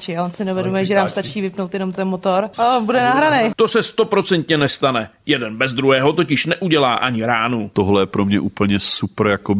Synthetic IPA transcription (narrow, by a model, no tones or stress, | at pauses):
t͡ʃɪaonsɪnɛvɛdomɛʒɛnaːmst̪at͡ʃiːvɪpno̞wt̪jɛno̞mt̪ɛnmot̪oɾabudɛnaɦɾanejt̪o̞sɛst̪o̞pɾo̞t͡sɛnt̪ɲɛnɛst̪anɛjɛdɛnbɛzd̪ɾuɦɛːɦo̞t̪o̞cɪʃnɛʔuɟɛlaːʔaɲɪɾaːnut̪oɦlɛjɛpɾomɲɛʔuːpl̩ɲɛsuprjako